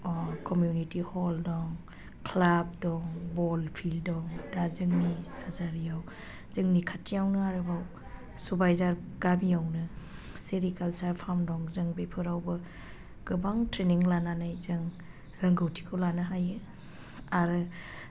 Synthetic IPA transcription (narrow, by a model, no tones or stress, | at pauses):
kɔmjunitihɔldɔŋ | kʰlab̚dɔŋbɔlpʰildɔŋdazɯŋniazaɾijaw | zɯŋnikʰatʰːijawnɯaɾɯbaw | subajzaɾ | ɡabiawnɯ | seɾikalt͡ʃaɾpʰamdɔŋzɯŋbepʰɯɾawbɯ | ɡ̥ɯbaŋtɾeniŋlananajzɯŋ | ɾɐŋɡɯwtʰi̥kʰɯwlanɯɦajɯ | aɾɯ